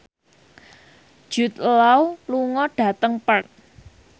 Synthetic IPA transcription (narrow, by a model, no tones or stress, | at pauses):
d̥ʒ̥ṳt̪lawluŋɔɖ̥a̤t̪əŋpərt̪̚